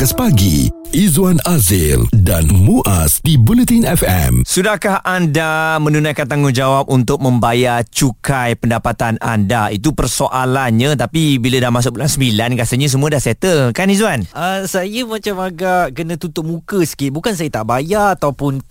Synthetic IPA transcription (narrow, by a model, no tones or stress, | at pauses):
kəspaɡḭʔizuanazildanmuʔa̰sdibulət̪inɛfɛ̰msudahkahandamə̃nunãjkant̪aŋʊnd͡ʒawap̚unt̪ʊk̚mə̃mbajat͡ʃukajpəndapat̪ana̰ndait̪̬upərsoʔalanɲãt̪apibiladahmãs̬ʊk̚bulansəmbilankasəɲãs̬əmũədahsɛt̪əlkanizuanəsajəmãt͡ʃamaɡaʔkənãt̪ut̪ʊʔmũkəsə̥kiʔbukans̬ajət̪aʔbajat̪awpʊn